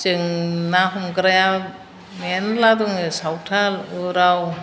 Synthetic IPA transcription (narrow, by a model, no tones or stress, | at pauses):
t͡ʃɯŋnaɦumɡɾaja | menladuŋsawtʰalɯɾaw